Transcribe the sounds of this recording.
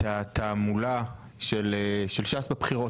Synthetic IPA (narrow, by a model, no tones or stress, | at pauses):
at̪ʰamula | ʃeleʃelʃasbepχiʁo̞